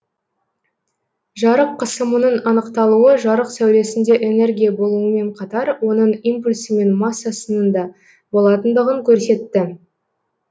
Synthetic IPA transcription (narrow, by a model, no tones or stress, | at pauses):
ʒɑɾəqʰːəsəmənəɴɑnəqt̪ɑlˠuwəʒɑɾəqsæwɾe̞sɪnd̪e̞ʔe̞ne̞ɾɡʲijabo̞lˠuəme̞ɴqʰɑt̪ɑɾwo̞nəɴimpulʲsəme̞nmɑsːasənənd̪ɑ | bo̞lˠɑt̪ənd̪əʁəŋkʲʰɵɾse̞t̪ːɪ